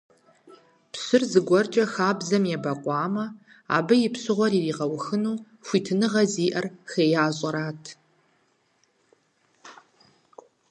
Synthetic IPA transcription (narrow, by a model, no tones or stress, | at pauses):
pɕɨrzɨɡʷɔrt͡ʃʼɐxaːbzɐmjɛbɐqʷʼɑːmɐ | a̰ːbɨjɪpɕɨʁʷɔɾiriːʁɐwxɨnuː | xʷiːtʰɨnɨʁɐziːʔɐrxeːjaːɕʼɐɾaːtʰ